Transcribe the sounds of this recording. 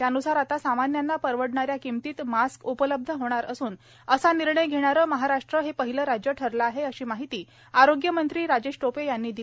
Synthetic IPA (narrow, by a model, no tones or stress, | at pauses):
t̪janusaɾat̪asamanjanːapəɾʋəɽɳaɾjakimt̪iːt̪maskupələb̚d̪ʱəɦoɽ̃aɾəsuːn | əsaniɾɳəjɡʱeɽ̃aɾəːməɦaɾaʂʈɾəɦepəɦiləɾad͡ʑjəʈʰəɾlaaːɦeəɕiːmaɦit̪iː | aɾoɡjəmənt̪ɾiːɾad͡ʑeɕʈopejanːiːd̪i